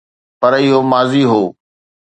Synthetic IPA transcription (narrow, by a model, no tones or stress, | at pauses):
pɐɾɪɦomaːziɦoː